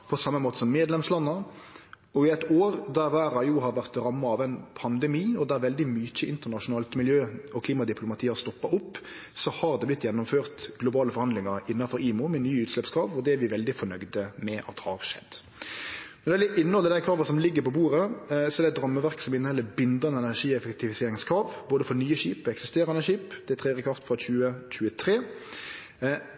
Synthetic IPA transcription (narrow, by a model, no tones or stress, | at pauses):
pʰɔsɑmːəmoːt̪əsɔmːeːd̪lɛmslɑnːɑ | ɔɪɛt̪oːɾd̪æɾʋæːɾɑjuːɦɑɾʋæʁt̪ɾɑmːɑɑʋɛɪnpʰɑnd̪ɛmiːɔd̪æɾʋɛld̪ɪmyt͡ʃəɪnt̪ənɑʂʊnɑːlt̪mɪljøːɔkʰliːmɑd̪ɪpʰlʊmɑt̪ʰiːɑst̪ɔpːɑʊpːsɔhɑɾd̪ɛblɪt̪ːjɛnːʊmføːɾt̪ɡlʊbɑːləfɔɾhɑnd̪lɪŋɑɾɪnːɑfɔɾiːmʊmɛnyːʉːt̪ʂlɛpskʰɾɑːʋɔd̪ɛæɾʋɪʋɛld̪ɪfɔɳœɡd̪əmɛʔɑ̰t̪hɑ̰ɾʂɛ̰d̪ | nɔɾɛlɪʔɪnːəhɔlːəɾd̪æɪkʰɾɑːʋɑsɔmlɪɡːəɾpʰɔbuːɾəsɔɛɾdɛæɪt̪̚d̪ɾɑmːəʋæʁksɔmɪnːəhɛlːəbɪnd̪ɑnəɛnæʂiːɛfɛkt̪ɪʋɪseːɾɪŋskʰɾɑːʋboːd̪əfɔnyːəɕiːpɛksɪst̪eːɾɑnəɕiːpd̪̥ɛt̪ʰʁeːɛʁɾəkɾɑft̪fɾɑçʉːəc͡çʉːət̪ʰɾeː